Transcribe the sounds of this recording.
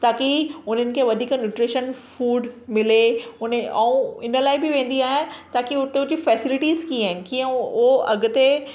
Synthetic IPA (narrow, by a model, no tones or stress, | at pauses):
t̪aːkiʊn̤ənɪ̆kʰeːʋɐd̪ʱiːknɪʈɾɪʃənfuːɖmɪleʊnẽɛũɪnəlaːɪbɪʋẽːn̆d̪iaːɦɪjãt̪aːkiʊt̪eʊd͡ʑifɛːsɪlɪʈiːzkiaːɦɪnɪ̆kiːə̃ʊɦoʔɐɡʊ̆t̪e